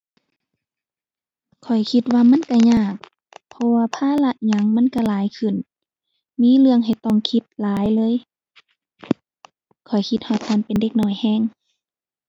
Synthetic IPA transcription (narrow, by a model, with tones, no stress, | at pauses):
kʰɔ˨˩jkʰi˧t̪̚waː˧ma˧˥˨nka˧˩ɲaː˧˩k̚ | pʰɔ˧waː˧pʰaː˧˥˨la˧ʔ̚ɲa˧˦ŋma˧˥˨nka˧˩laː˨˦jkʰɯ˧˩˨n | miː˧˥˨lɯ˧əŋɦa˨˩jt̪ɔ˧˩ŋkʰi˧˦t̪̚laː˨˦jlɤː˧˥˨j | kʰɔ˨˩jkʰi˧t̪̚hɔ˧˩t̪̚haː˧˥˨npe˨nde˧˦k̚nɔː˧˩jhɛː˧˥˨ŋ